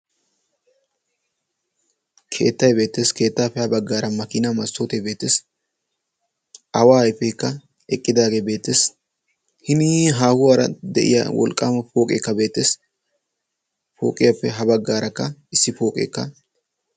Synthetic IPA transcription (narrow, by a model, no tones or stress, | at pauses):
kʰe̞̰ːt̪ːɐjbe̞ːt̪ːe̞ːske̞ːt̪ːaːpːɛhɐbɐɡːaːɾɐmɐkɪnamɐsoːt̪ebe̞ːt̪ːes | ɐwaːjpːɛɪkːɐ | ɛkʼːɪd̪aːɡeːbe̞ːt̪ːeːs | hɪniɦaːhʊwaːɾɐd̪ɛʔɪ̰jawɔ̰lkʼːaːmɐfoːkʼḛːkːɐbe̞ːt̪ːeːs | fo̰ːkʼɪjapːɛɦɐbɐɡːaːɾɐkːɐɪsːɪfo̞ːkʼḛːkːɐ